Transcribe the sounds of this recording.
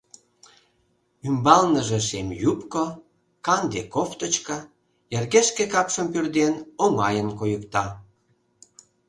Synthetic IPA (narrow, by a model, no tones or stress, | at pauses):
ymbɑlnəʒĕʃemjupko | kɑnd̪ekoft̪ət͡ɕkɑ | jerɣeʃkekɑpʃəmpyrd̪enoŋɑjənkojəkt̪ɑ